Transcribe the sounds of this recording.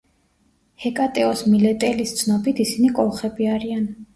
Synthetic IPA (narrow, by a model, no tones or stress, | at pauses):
hɛkʼat̪ʼɛɔsmilɛt̪ʼɛlist̪sʰnɔbit̪ʰisinikʼɔlˠχɛbiaɾian